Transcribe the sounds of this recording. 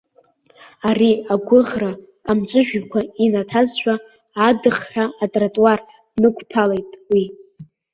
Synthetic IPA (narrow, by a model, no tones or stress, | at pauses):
ariaɡʷʊʁraː | mt͡ʃʷʼɨʒᶣkʷʰainatʰazʃᶣʷaː | dɨχħᶣaːtʼratʼwar | nɨkʷʰʼpʰalejtʼwi